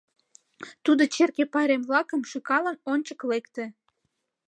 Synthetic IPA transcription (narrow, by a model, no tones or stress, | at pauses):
t̪ud̪ot͡ɕerkepɑɾemβlɑkəmʃykɑlənonʲt͡ɕəklekt̪ĕ